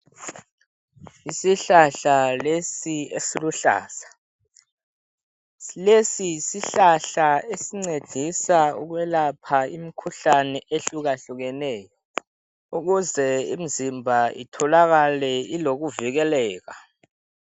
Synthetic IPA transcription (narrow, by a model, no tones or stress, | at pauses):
isiɬaɬalesiesiluɬa̰ːsḁ | lesisiɬaɬaesiŋ͡ǀed̥ʱisaṵk̬wɛlapʰaimikʰuɬanɛʔeɬuk̬aɬuk̬ɛnɛːjɔ | uk̬uzɛḭm̩zimbʱaḭtʰɔlak̬alɛilok̬uvik̬ɛlɛːk̬a